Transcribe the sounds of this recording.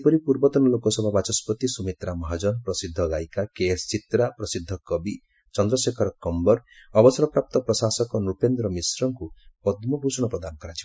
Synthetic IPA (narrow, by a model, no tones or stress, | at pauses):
pɔɾipuɾbɔt̪ɔnɔlokɔsɔbʱabat͡ʃɔspɔt̪isumit̪ɾamɔɦad͡ʒɔnpɾɔsid̪ʱːɔɡajkakest͡ʃit̪ɾapɾɔsid̪ʱːɔkɔbi | t͡ʃɔnd̪ɾɔsekʰɔɾɔkɔmbɔɾɔbɔsɔɾɔpɾap̚t̪ɔpɾɔsasɔkɔnupend̪ɾɔmisɾɔŋkupɔd̪mɔbʱusɔɽɔpɾɔd̪anɔkɔɾat͡ʃʰi